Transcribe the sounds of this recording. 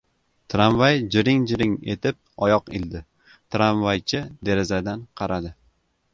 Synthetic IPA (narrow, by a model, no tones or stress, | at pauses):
t̪ʰɾamvajd͡ʒɪɾɪŋd͡ʒɪɾɪŋe̞̰t̪ʰɪp̚ɒjɒqɪ̰ld̪ɪ | t̪ʰɾamvajt͡ʃʰɪd̪e̞ɾɪzad̪anqʰɑɾad̪ɪ